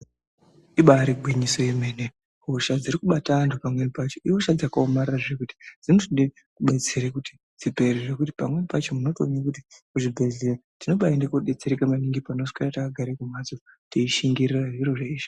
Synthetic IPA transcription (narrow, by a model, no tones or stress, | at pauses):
iɓaɾiɡʱwiɲiso̞ime̞ːne | ɦoʃad͡ziɾikuɓataːntʰupamwe̞nipat͡ʃoʔiwoʃad͡zakaomariraʐe̞kuti̥d͡zinusinde | kuɓe̞t͡se̞ɾekuti̥ | d͡zipe̞riʐekut̬i̥pamwe̞pat͡ʃo̞muno̞toɲakuti̥kuʐibʱe̞ɮeretino̞ɓaendekoɗe̞t͡se̞ɾekamaniŋɡipanosu̥karatakaɡʱaɾekumazo | tiiʃiŋɡiriraʐiɾoʐeiːʃi̥